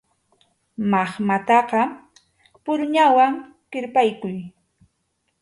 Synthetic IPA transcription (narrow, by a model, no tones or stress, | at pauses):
mɑχmat̪ɑqɑ | pʊɾɲawaŋ | qɪɾpajkʊj